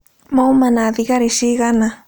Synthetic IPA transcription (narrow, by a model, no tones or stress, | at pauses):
moumanaðiɣaɾiʃiɣana